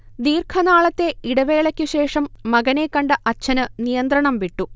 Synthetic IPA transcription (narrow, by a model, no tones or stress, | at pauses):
d̪iːrkʰɐnaːɭɐt̪ːe̞iɽɐʋe̞ːɭɐkʲːɨɕe̞ːʂɐmːɐɡɐne̞kːɐɳɖɨʔɐt͡ɕʰːɐnɨnijɐnd̪ɾɐɳɐmʋiʈːu